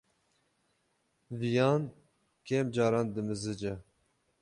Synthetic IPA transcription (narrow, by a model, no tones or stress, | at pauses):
vijɑːn | keːmd͡ʒɑːɾɑːnd̪ɨmɨzɨd͡ʒɛ